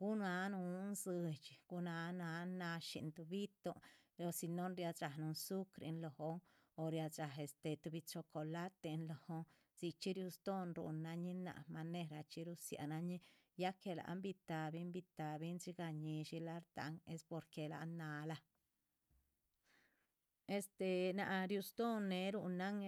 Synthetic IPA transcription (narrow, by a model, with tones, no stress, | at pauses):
ɡ̥u˦na˧˦nu˧˦nzɨ˧t͡ʃi˨ɡ̥u˦na˧na˧na˧ʃḭ˧nt̪u˧bi˦t̪o˧ | o˧si˧no˦nɾja˧a˨nu˧nsu˦kɾḭ˧nlo˨ho˧˦ŋ | o˨ɾja˧d͡ʒa˨ɦe˧st̪e˧t̪u˧bi˧t͡ʃo˧ko˧la˦t̪e˧nlo˨ho˧ | si˧kt͡ʃi˦ɾju˧sd̪o˦nɾṵ˧nːa˧ɲi˦na̰˧˨ma˧ne˧ɾa˧˨t͡ʃi˧˦ɾu˧sja̰˨˧na˧ɲi˦ | ja˦ke˧la̰˨ʔmbi˧t̪a˨bi˦mbi˧t̪a˨bi˦nt͡ʃi˦ɡa˧ɲi˧ʃi˧la˦ɾt̪a̰˧ŋe˦spo˧ɾke˧la̰˨nːa˧la˧ | e˧st̪e˧na˨ʔɾju˧sd̪o˦nːe˧ɾu˧na˦ŋ